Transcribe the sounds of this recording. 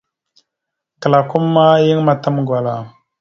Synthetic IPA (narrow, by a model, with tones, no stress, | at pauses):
kə˨la˨ku˦mːa˦ji˦ŋma˨ta˦mɡwa˨la˨